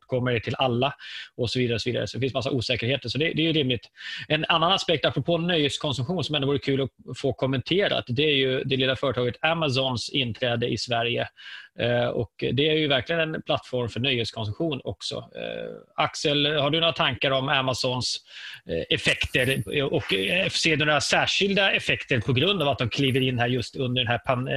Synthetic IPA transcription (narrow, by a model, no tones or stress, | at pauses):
kʰɔmːəɖʈ̪ʰɪlʔalːaɔsɔviːd̪aɾəɔsɔviːd̪a̰ɾəsɔd̪ɛfɪnsmas̬ːaʔuːsɛːkəɾheːt̪əʂɔd̪ɛd̪ɛjɵɾɪmlɪt̪ɛnanːanaspɛk̚t̪apːɾɔpʰoːnœjheːt̪skʰɔnsɵmɧuːnsɔmɛnʊvuːɾət̪kʰʉ̟ːlɔfoːkʰɔmːɛnt̪ʰeːɾa̰t̪d̪ɛæɾjɵd̪ɛlɪlːafœːɾəʈ̪ʰɑːɡət̪amas̬ɔnsɪnːt̪ʰɾɛːd̪əʔɪ̰svæɾjə̰ | ɔ̰kd̪ɛæɾjɵvæɾklɪɡənɛnpʰlat̪ːfɔɾmfœɳœjheːt̪skʰɔns̬ɵmɧuːnɔ̰ksɔ̰ | aksəlhaɖɵnoːɾat̪ʰaŋkaɾɔmamasɔns | ɛfɛkt̪əɾɔkseːd̪ɔnoːasæːʂɪld̪aɛfɛkt̪əɾpʰɔɡɾɵnd̪aːvat̪̚d̪ɔmkʰliːvəɾɪnd̪ɛhæːɾjɵst̪ɵnd̪əɖɛnɦæːɾpʰan